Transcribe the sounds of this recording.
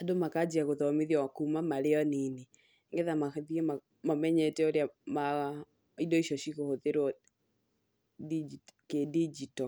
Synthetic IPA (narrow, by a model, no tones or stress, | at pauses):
adomakad͡ʒiaɣoðɔmeðjɔkumamaɾeɔnine | ŋɡeðamaðiema | mɔmɛɲɛtɛoɾeama | idɔiʃɔʃiɣohoðeɾwɔ | did͡ʒikedid͡ʒitɔ